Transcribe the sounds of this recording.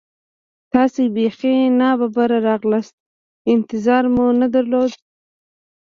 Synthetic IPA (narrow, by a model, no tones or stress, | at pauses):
t̪ɑsebexenɑbabaɾaɾɑɣlast̪̚ | ɪnt̪ɪzɑɾmunad̪aɾlod̪